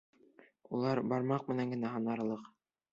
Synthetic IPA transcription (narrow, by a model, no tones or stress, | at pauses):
ulˠɑɾbɑɾmɑq̚mɘ̆næŋɡɘ̆næɦɑnɑɾlˠɤq